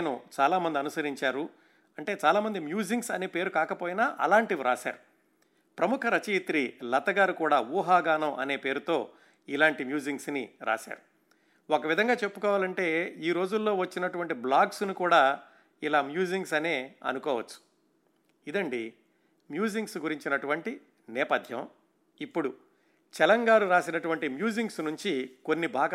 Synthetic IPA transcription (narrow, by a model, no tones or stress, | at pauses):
nṵt͡ʃaːlaːmɐnd̪iɐnusɐɾiɲt͡ʃaːɾu | ɐɳʈe̞ːt͡ʃaːlaːmɐnd̪imjuːd͡ʒiŋɡsɐne̞ːpe̞ːɾukaːkɐpoːjinaʔɐ̰laːɳʈiʋiɾaːʃa̰ːɾu | pɾɐmukʰɐɾɐt͡ʃiːt̪ɾilɐt̪ɐɡaːɾukuːɽaːʋuːɦaːɡaːnɐmʔɐ̰ne̞ːpe̞ːɾut̪o̞ː | ilaːɳʈimjuːd͡ʒiŋɡsniɾa̰ːʃa̰ːɾu | okɐʋid̪ʱɐŋɡaːt͡ʃepːukɔːʋaːlɐɳʈe̞ːiːɾo̞ːd͡ʒulːo̞ːʋɐt͡ʃːinɐʈuʋɐɳʈiblaːɡsnikuːɽaː | ilaːmjuːd͡ʒiŋɡsɐne̞ːɐ̰nukɔːʋɐt͡ʃːu̥ | id̪ɐɳɖi | mjuːd͡ʒiŋɡsɡuɾiɲt͡ʃinɐʈuʋɐɳʈi | nɛːpɐd̪ʱjɐ̰̃m | ipːuɽu | t͡ʃɛlɐŋɡaːɾuɾaːsinɐʈuʋɐɳʈimjuːd͡ʒiŋɡsnuɲt͡ʃiko̞nːibʱaːɡɐ